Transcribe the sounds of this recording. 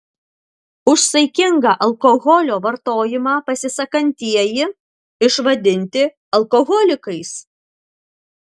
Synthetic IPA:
ʊʃsɐɪkʲɪŋɡɑʔɐlˠkoɣɔlʲoːʋɐɾt̪oːjɪmɑːpɐsʲɪsɐkɐnʲt̪ʲiɛjɪ | ɪʃʋɐd̪ʲɪnʲt̪ʲɪ | ɐlˠkoɣɔlʲɪkɐɪs

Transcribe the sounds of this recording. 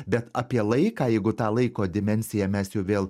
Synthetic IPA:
bʲɛt̪ɑpʲiɛlˠɐɪkɑːjɛɪɡʊt̪ɑːlˠɐɪkoːd̪ʲɪmʲɛnʲsʲɪjɛmʲɛsjɛʊʋʲeːlˠ

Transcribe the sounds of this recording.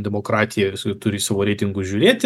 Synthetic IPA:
d̪ʲɛmoːkɾɑːt̪ʲɪjɛst̪ʊɾʲɪsɑːʋoːɾʲeːt̪ʲɪŋɡʊʒʲuːɾʲeːt̪ʲ

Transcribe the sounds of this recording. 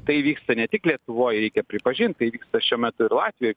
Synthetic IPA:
t̪ɐɪʋʲiːkst̪ɐnʲɛt̪ʲɪklʲiɛt̪ʊʋoːjɾʲɛɪkʲɛpʲɾʲɪpɐʒʲɪnt̪̚t̪ɐɪʋʲiːkst̪ɐʃʲuɔmʲɛt̪ʊɪɾlˠɑːt̪ʲʋʲɪjoːɪ

